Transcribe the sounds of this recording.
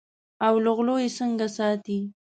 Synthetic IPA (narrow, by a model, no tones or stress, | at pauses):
awlʊɣlojesəŋɡasɑt̪i